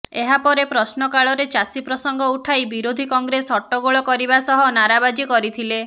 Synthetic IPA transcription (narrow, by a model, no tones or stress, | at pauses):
eɦapɔɾepɾɔsnɔkaɭɔɾet͡ʃasipɾɔsɔŋɡʱɔuʈʰajbiɾod̪ʱikɔŋɡɾesɔʈːɔɡoɭɔkɔɾibasɔɦɔnaɾabad͡ʒikɔɾit̪ʰile